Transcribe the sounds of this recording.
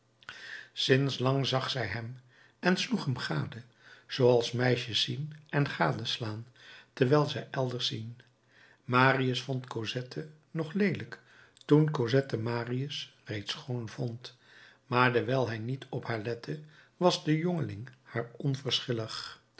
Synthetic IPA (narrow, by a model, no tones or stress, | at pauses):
sɪnslɑŋzɑχsɛjɦɛm | ɛnsluχɦəmχaːdə | z̥owɑlˠsmɛjʃəsinɛnχaːdəslaːntɛɹʋɛːlˠzɛjʔɛlˠdəɹsin | maːriəsfɔntkozɛtʰə | nɔχlejlək | tunkozɛtəmaːriəsrejtsχownvɔnt | maːɹdəɹʋɛːlˠɦɛjnitʰɔphaːɹlɛtʰə | ʋɑzdəjɔŋəlɪŋhaːɹɔnvəɹsχɪləχ